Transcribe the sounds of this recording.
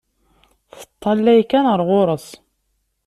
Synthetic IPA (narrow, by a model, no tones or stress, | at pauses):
θə̥t̪ˤːɑlːæjkænəɾˤʁʊɾˤəsˤ